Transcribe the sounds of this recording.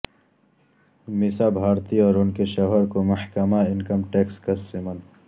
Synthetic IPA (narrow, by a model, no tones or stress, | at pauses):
mɪsabʱaːɾt̪iɔːɾʊnkeʃɔɦəɾkomɐhkəmaɪnkəmʈeːkskɐsimən